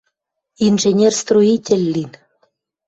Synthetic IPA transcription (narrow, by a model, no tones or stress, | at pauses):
inʒenʲerst̪ruitʲelʲːin